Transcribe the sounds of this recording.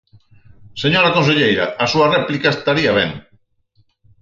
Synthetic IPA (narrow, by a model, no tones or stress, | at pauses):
seɲoɾakons̬eʎejɾaasuarɛplikaest̪aɾiaβḛŋ